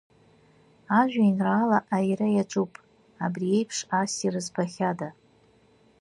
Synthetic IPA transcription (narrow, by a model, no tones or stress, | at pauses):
aʒᶣʷainraːlaʔajrajaʈ͡ʂʼupʼ | abrie̞jpʰʂasirɨzpʰaχʲada